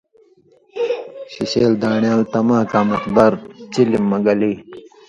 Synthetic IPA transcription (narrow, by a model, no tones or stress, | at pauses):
ɕiɕeːld̪aːɳjaːlt̪ɐmaːkaːmɐt̪baɾt͡ɕilimːɐɡɐli